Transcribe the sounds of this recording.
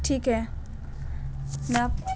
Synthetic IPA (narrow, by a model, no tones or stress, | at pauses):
ʈʰiːkɦɛ | na